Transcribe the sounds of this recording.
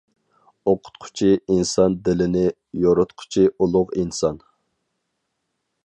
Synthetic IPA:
oqʰʊ̥t̪qʰʊ̥t͡ʃʰiinsɑnd̪ɪlɪnɪ | joɾʊt̪qʰʊ̥t͡ʃʰiulˠʊqinsɑn

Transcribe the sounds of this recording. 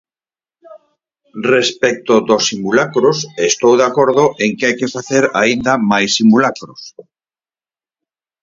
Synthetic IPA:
respɛk̚t̪od̪osːimulakɾosest̪owðakoɾðoʔeŋkɪajkefaθeɾa̰ind̪amajsːimulakɾos

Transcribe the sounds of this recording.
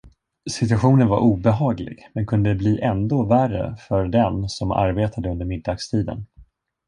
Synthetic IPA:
sɪt̪ɵaɧuːnənva̰ɾʔuːbɛɦɑːɡlɪ̰ɡ̥mɛnkʰɵnd̪əd̪ɛbliːʔɛnd̪oːværə̰fœɾɖɛnsɔma̰ɾbeːt̪ʰad̪əɵnd̪əɾmɪd̪ːɑːɡst̪ʰiːd̪ə̰n

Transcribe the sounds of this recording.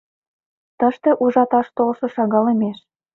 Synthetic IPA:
t̪əʃt̪ĕʔuʒɑt̪ɑʃt̪olʃɤ̆ʃɑɣɑlemeʃ

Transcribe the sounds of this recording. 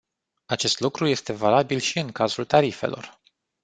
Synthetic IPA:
at͡ʃe̞st̪lukɾuje̞st̪e̞valabilʃiɨŋkazult̪aɾife̞̰lo̞̰r

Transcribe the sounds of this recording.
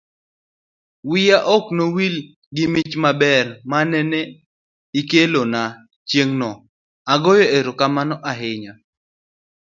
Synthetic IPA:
wɪjaʔɔknowil | ɡɪmɪt͡ʃmabɛrmanɛne | ikelona | t͡ʃjeŋnɔ | aɡɔjɔeɾokamanɔʔaɦɪɲa

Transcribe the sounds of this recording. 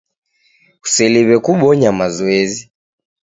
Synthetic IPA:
usɛliβɛkuɓɔɲamazɔɛzi

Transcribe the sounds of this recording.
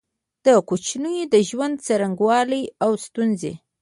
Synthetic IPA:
d̪̥əkut͡ʃnəjod̪əʒwand̪̚t͡saɾaŋɡwɑləjawst̪unzḛ

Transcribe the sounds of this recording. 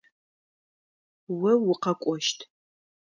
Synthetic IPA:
wɐwʊqɐkʷʼɔʃtʰ

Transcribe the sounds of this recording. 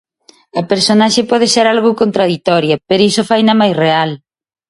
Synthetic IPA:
ɐpeɾsonaʃepɔðɪseɾalɣʊkont̪ɾaðit̪ɔɾjɐpeɾoisofajnɐmajsreal

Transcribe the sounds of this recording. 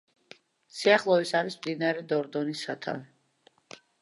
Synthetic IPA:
siaχlˠɔisaɾismd̪inaɾɛd̪ɔɾd̪ɔnisat̪ʰa̰vi

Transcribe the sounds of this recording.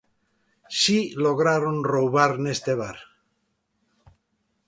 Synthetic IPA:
silo̞ɣ̞ɾaɾonrowβaɾnest̪eβ̞aɾ

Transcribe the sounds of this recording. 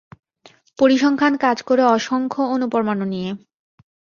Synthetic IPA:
poɾiʃɔŋkʰankad͡ʑkoɾeɔʃoŋkʰoonupoɾmanonije

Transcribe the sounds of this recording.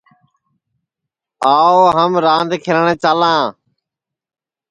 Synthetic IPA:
aːoːɦəmɾãːnd̪kʰɪɾɳẽːt͡ʃaːlãː

